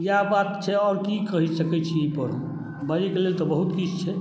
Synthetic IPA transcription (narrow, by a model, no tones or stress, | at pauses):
jabat̪t͡ʃʰɛɔːɾkikəɦisəkɛt͡ʃʰiipəɾũ | baɾikelelt̪ɔbəɦut̪kid͡ʒt͡ʃʰɛ